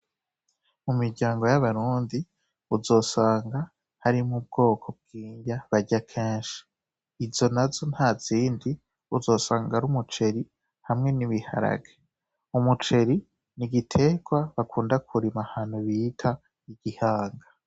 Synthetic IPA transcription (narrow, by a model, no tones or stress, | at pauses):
mumiɾɟaːŋɡo̞jaβaɾuːndi | uzo̞ːsaːŋɡa | haɾimub̚ɡo̞ːkʰo̞b̚ɡ̥iːɲɟaβaɟakʰeːnʃi̥ | izo̞nazonhaːz̥iːndi | uzo̞ːsaːŋɡaɾumut͡ʃe̞ɾi | hamŋe̞niβiha̰ɾa̰ɡe | umut͡ʃe̞ɾi | niɡitʰe̞ɡwaβakʰuːndakʰuɾimahaːn̥huβiːtʰa | iɡihaːŋɡa